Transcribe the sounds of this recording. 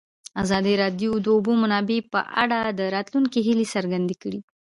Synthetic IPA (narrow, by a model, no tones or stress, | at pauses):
azɑd̪iɾɑd̪jod̪əʊbomanɑbepə̰ʔa̰ɽad̪əɾɑt̪luŋkeɦilesaɾɡand̪ekəɽi